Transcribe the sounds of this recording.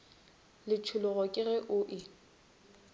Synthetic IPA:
lɪt͡ʃʰʊlʊɣɔkʼɪrɛʔʊʔɪ

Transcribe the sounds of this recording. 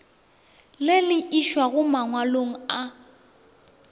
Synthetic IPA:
lɪlɪʔiʃwaɣʊmaŋwaloŋ̩a

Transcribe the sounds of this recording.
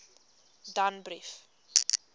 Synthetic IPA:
danbɾif

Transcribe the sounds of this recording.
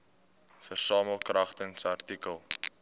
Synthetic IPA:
fərsɑːməlˠkrɐχtəŋsɐrtikəlˠ

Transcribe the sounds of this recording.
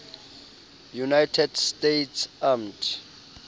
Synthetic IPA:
junajtʰɛdstejtʰsamtʰ

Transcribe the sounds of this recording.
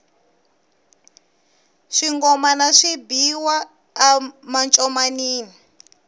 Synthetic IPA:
ʂiŋɡɔmanaʂibiwaː | mant͡ʃʼɔmaniːni

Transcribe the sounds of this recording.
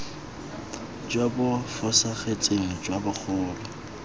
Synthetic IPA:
d͡ʒwabʊfʊsaχet͡sʼeŋ̩d͡ʒwabʊk͡xʰʊːlɔ

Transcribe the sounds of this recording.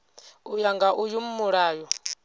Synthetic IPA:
ujaŋɡaʔujum̩muɺaːjɔ

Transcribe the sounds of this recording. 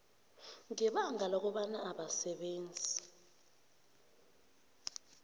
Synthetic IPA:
ŋɛɓaŋalɔk̬ɔɓanaaɓasɛɓeːnd͡zʱi

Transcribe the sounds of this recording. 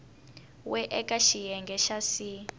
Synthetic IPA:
wɛʔɛkʼaʃijɛŋɡʱɛʃasi

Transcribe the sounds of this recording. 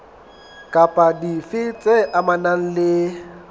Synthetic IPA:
kʼapʼadifɪt͡sʼeʔamanan̩lɪ

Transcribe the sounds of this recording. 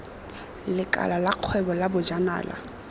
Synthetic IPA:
lɪkʼa̰lalaq͡χʰwɛbɔlabʊd͡ʒana̰ːla̰

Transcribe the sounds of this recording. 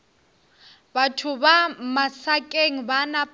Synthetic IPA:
batʰʊbamasakʼeŋ̩banap

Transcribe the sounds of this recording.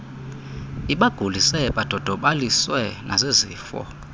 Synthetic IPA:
iɓaɡ̥ʱulisɛɓad̥ʱɔd̥ʱɔɓaliswɛnʔazeziːfɔ̰

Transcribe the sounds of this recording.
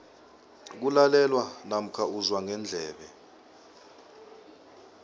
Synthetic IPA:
k̬ulalɛlwanam̩kʰauzwaŋʱɛnd͡ɮʱɛːɓɛ

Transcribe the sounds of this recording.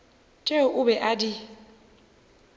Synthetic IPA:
t͡ʃʼeʊbɛʔadi

